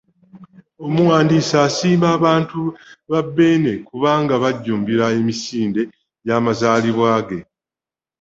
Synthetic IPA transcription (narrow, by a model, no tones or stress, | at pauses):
o̞muwaːndiːsaːsiːmaːβaːntuβabːe̞ːne̞kuβaːŋɡaβaɟːuːmbiɾae̞misiːnde̞ | jaːmazaːliβwaːɡe̞